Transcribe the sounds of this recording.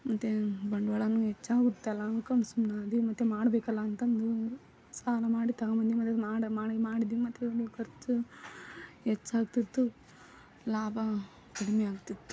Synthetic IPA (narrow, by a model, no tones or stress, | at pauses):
mɐt̪ːebɐɳɖʋɐɭɐnuɦɛt͡ʃːaːɡut̪ːɐlːankɐnsumnaːd̪imɐt̪ːemaːɽɐbɛːkɐlːɐːnt̪ɐnd̪u | saːlɐmaːɽit̪ɐɣɐmɐnd̪imɐt̪ːemaːɽɐmaːɽmaːɽid̪iimɐt̪ːelukɐɾt͡ʃu | het͡ʃːaːɡt̪it̪ːu | laːbʱɐ | kɐɽimɛaːɡut̪ːit̪ːu̥